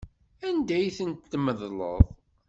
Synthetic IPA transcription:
ænd̪æjθənt̪ːməðlə̰ðˤ

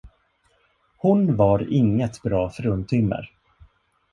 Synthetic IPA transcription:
hʊnvaɾɪŋːət̪bɾɑːfœɾɵnt̪ʰʏmːə̰ɾ

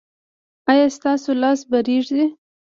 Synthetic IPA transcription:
ɑjɑst̪ɑsolɑsbaɾeʐd̪e

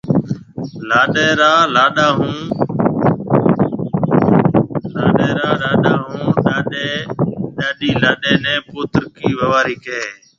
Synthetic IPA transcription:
laːɗeːɾaːlaːɗaːɦũː | laːɗeːɾaaːɗaːɗaːɦũːɗaːɗeɗaːɗiːlaːɗeːnɛ̃ːpʊːt̪ɾkiːʋəʋaːɾiːkeː

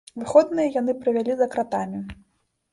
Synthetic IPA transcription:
vɨxɔd̪nɨjɐjan̪ɨpɾɨvʲalʲizɐkɾat̪amʲi

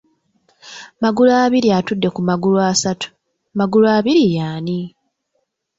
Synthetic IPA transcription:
maɡulaːβiɾiatudːe̞kumaɡuluasatu̥ | maɡuluaːβiɾijaːni

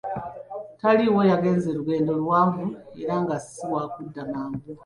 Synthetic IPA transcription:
taliwo̞jaɡe̞ːnzeɾuɡe̞ːndo̞lwaːvuḛɾaŋɡasiwakudamaːmɡu

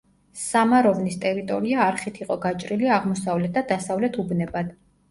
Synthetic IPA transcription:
ssamaɾɔvnist̪ʼɛɾit̪ʼɔɾiaːɾχit̪ʰiqʼɔɡat͡ʃʼɾiliaʁmɔsavlɛt̪̚ʰd̪̥ad̪asavlɛt̪ʰubnɛbad̪̥

